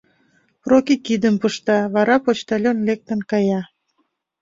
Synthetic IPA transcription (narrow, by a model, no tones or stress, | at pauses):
prokikid̪əmpəʃt̪ɑβɑɾɑpot͡ɕt̪ɑlʲonlek̚t̪ə̆nkɑjɑ